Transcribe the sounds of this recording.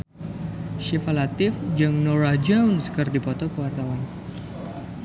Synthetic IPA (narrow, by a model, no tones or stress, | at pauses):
ʃifalat̪ɪfd͡ʒɨŋnɔɾad͡ʒawnskɨrdipɔt̪ɔkəwart̪awan